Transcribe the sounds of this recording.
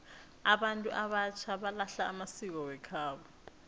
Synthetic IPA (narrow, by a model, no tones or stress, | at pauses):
aɓantʼuʔaβat͡ʃʰaβalaɬaːmasik̬ɔwɛkʰaːβɔ